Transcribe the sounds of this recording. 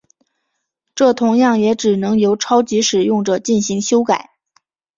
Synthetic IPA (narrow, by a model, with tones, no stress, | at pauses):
ʈ͡ʂɤ˥˩t̪ʰʊ˧˥ŋjɑ˥˩ŋjɛ˧˥ʈ͡ʂɻ̩˨˩nɤ˧˥ŋjo˧˥ʊʈ͡ʂʰɑ˥ʊt͡ɕi˧˥ʂɻ̩˨˩jʊ˥˩ŋʈ͡ʂə˨˩t͡ɕi˥˩nɕi˧˥ŋɕjo˥ʊka˨˩˦ɪ